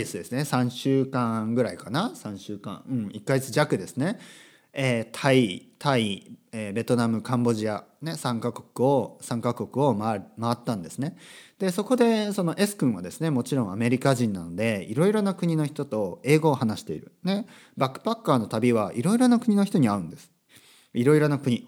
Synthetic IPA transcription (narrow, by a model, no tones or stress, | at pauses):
isɨd̪e̞sɨne̞sãɕɨːkãɡɯ̟ɾaikanasãɰ̃ɕɨːkã̰ɯ̟̃ɴikːaɡet͡sɨʑakɯ̟d̪e̞sɨne̞ | eːt̪ʰait̪ʰaiebe̞t̪o̞namɯ̟kãmbo̞ʑiane̞sãŋkako̞̥kɯ̟o̞sãŋkako̞kɯ̟o̞mamaβat̪ːãnd̪e̞sɨne̞d̪̥e̞so̞ko̞d̪e̞so̞no̞ʔe̞sɨ̥kɯ̟̃ɰ̃βad̪e̞sɨne̞mo̞t͡ɕiɾõ̞ɰ̃ame̞ɾʲikaʑĩnːano̞d̪e̞iɾo̞iɾo̞nakɯ̟ɲ̟ino̞çi̥t̪ot̪o̞e̞ːɡo̞ːhanaɕi̥t̪e̞iɾɯ̟ne̞ | bakːɯ̥pakːaːno̞t̪abʲiβaʔiɾo̞iɾo̞nakɯ̟ɲ̟ino̞çi̥t̪o̞ɲ̟iaɯ̟̃nd̪e̞sɨ̥ | iɾo̞iɾo̞nakɯ̟ɲ̟i